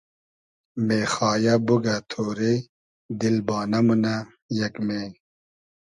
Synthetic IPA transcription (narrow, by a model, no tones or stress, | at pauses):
meːxaːjabuɡat̪ʰoːɾe | d̪ilbɑːnɐmuna | jɐkme